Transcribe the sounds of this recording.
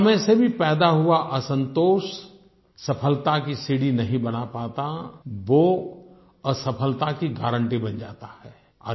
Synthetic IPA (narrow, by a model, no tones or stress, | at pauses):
ɐmẽsebʱipɛːd̪aɦuaʔɐsə̃nt̪oːʃ | sɐpʰəlt̪akisiːɽinɐɦĩbɐnapaːt̪aʋo | əsɐpʰəlt̪akiɡaːɾə̃ɳʈibɐ̃nd͡ʒa̰ːt̪ahɛː | ɔ̰ː